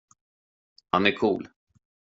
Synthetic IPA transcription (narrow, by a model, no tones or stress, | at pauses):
hanæɾkʰuːl